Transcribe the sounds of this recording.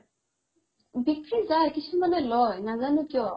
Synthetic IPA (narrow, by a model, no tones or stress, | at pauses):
bikɹizajkisʰumanɛlɔjnazanukiɔ